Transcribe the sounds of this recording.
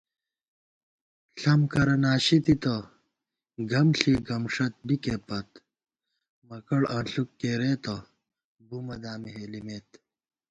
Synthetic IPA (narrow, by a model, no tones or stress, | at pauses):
ɬɐmkɐɾɐnaːɕit̪it̪ɐ | ɡɐmɬiːɡɐmʂɐt̪̚bikepɐt̪ | mɐkɐɽɐ̃ːɬukːeːɾeːt̪ɐ | bumɐd̪aːmiɦelimeːt̪